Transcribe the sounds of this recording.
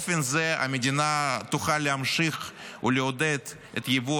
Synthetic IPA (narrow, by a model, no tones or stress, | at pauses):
fenzea̰med̪ʲinat̪uχaleamʃiχṵleod̪ed̪ | et̪jevu